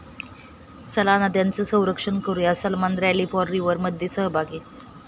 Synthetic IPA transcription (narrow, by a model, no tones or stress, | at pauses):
səlanad̪jant͡səsə̃w̃ɾəkʂənkoɾjasəlmand̪ɾjaliːpɔɾɾiʋəɾməd̪ʱjesəɦəbʱaɡiː